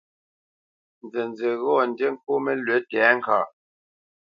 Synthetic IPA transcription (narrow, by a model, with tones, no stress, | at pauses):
n˨d͡zɛ˨nd͡ze˨ɣɔː˦˨n̩˨dje˦ŋ̩˦ko˦me˦lɥe˨˦tɛː˨˦ŋ̩˦kaː˨